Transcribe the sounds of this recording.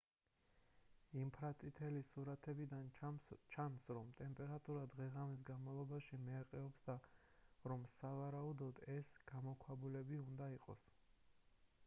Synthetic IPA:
impʰɾat̪sʼit̪ʰɛlisuɾat̪ʰɛbid̪ant͡ʃʰansɾɔmt̪ʼɛmpʼɛɾat̪ʼuɾad̪ʁɛʁamis̬ɡanmalˠɔbaʃimɛaqʼɛɔpsd̪aɾɔmsavaɾaud̪ɔd̪ɛsɡ̥amɔkʰwabulɛbiund̪aiqʼɔ̰s

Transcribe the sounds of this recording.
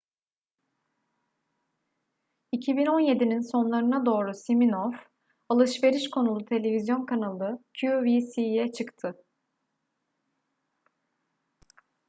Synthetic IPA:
icʰibino̞nje̞d̪ininso̞nlˠaɾɯnad̪o̞ːɾusiminov | alˠɯʃve̞ɾiʃkʰo̞nulˠut̪ʰe̞lʲe̞vʲizjo̞nkʰanalˠɯcʰuovisijɛt͡ʃʰɯkt̪ʰɯ

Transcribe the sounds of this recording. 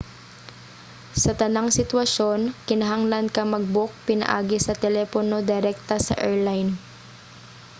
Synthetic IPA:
sɐt̪ɐnaŋsɪt̪wɐʃo̞nkɪnɐɦaŋlɐnkɐmɐɡ̚bok̚pɪnɐ̰ʔa̰ːɡɪsɐt̪ɛlɛpono̞d̪ɪɾɛk̚t̪ɐsɐ̰ʔɛɹlajn

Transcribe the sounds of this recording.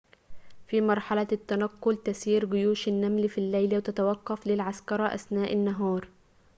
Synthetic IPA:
fimɑɾˤħalæt̪ːænæqːolt̪æsiːɾɡʊjuːʃɪnːæmlfilːæjlæwt̪æt̪awɑqːɑflɪlʕaskɑɾˤɑʔæ̰snæːʔɪnːaɦɑːɾˤ

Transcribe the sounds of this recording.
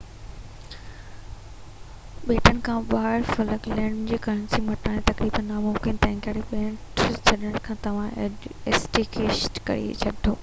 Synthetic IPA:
ɓeːʈənɪ̆kʰãːɓaːɾfɐləkleɽ̃d͡ʑiːkɐəñsĩmɐʈaːẽt̪ɐkɾiːbənːaːmʊmkɪnt̪ɐ̃ɦɪ̃ŋkaːɽeɓeːʈt͡ɕʰɐɗɪəɽ̃kʰãːt̪ɐʋ̤ãesʈikeːʃʈkɐ̰ɾḭt͡ɕʰɐɗʱoː

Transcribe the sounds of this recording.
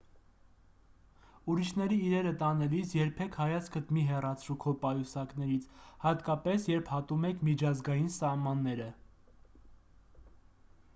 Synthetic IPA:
uɾiʃnɛɾiːɾɛɾət̪ɑnɛlisjɛɾpʰɛkʰhɑjɑt͡sʰkʰət̪miɦɛrɑt͡sʰɾukʰɔpɑjusɑknɛɾit͡sʰhɑt̪kɑpɛsjɛɾpʰhɑt̪umɛkʰmit͡ʃʰɑzɡɑjinsɑhmɑnːɛɾə

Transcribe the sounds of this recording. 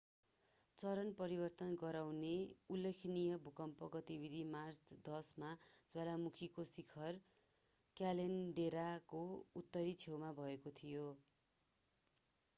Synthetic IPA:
t͡sʌɾʌnpʌɾibʌrt̪ʌnɡʌɾawneulːekʰnijʌbʱukʌmpʌɡʌt̪ibid̪ʱimart͡sd̪ʌsmad͡zʌlamukʰikosikʰʌr | kjalenɖeɾakout̪ːʌɾit͡sʰewmabʱʌekot̪ʰijo

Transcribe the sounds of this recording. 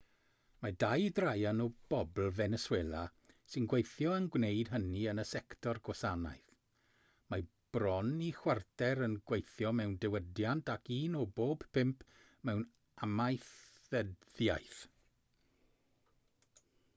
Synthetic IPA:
madajdrajanɔb̥ɔbl̩ˠvɛnɛsweːlˠa | sɪnɡwejθjɔənɡwnejd̥ɦəniənəsɛktʰɔrɡɔsana̰jθ | ma | b̥rɔnixwartɛɾənɡwejθjɔmɛwndɛwədjantʰakiːnɔboːb̥pʰɪmpʰ | mɛwn | amajθ | əðjajθ

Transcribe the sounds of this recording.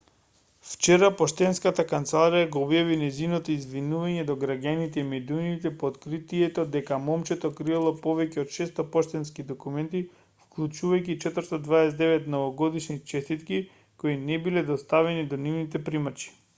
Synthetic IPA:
ft͡ʃɛɾapɔʃt̪ɛnskat̪akant̪sɛlˠaɾijaɡoɔbjavinɛzinɔt̪oizvinuvaɲɛd̪ɔɡɾaɟanit̪ɛimɛd̪unit̪ɛpoːt̪kɾit̪iɛt̪ɔd̪ɛkamɔmt͡ʃɛt̪ɔkɾialˠɔpɔvɛcɛɔt̪ʃɛst̪ɔpɔʃt̪ɛnskid̪ɔkumɛnt̪i | fklˠut͡ʃuvajcit͡ʃɛt̪vəɾst̪ad̪vaɛsɛd̪ɛvɛt̪nɔvɔɡɔd̪iʃnit͡ʃɛst̪it̪ki | koinɛbilɛd̪ɔst̪avɛnid̪ɔnivnit̪ɛpɾimat͡ʃi̥

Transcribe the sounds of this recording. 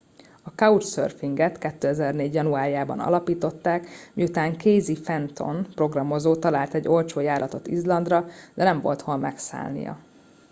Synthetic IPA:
ɒkɒut͡ʃsø̰rfiŋɡɛt̪kɛt̪ːøːɛzɛrneːɟjɒnuaːɾijaːbɒ̰nɒ̰lɒpiːt̪o̞t̪ːaːkmiut̪aːŋkeːzifɛnt̪o̞̰npro̞ɡrɒmo̞zoːt̪ɒlaːlt̪ɛɟːo̞lt͡ʃoːjaːɾʔɒt̪o̞t̪ḭzlɒnd̪rɒd̪ɛnɛɱvo̞̰lt̪honmɛksa̰ːlnḭjɒ̰

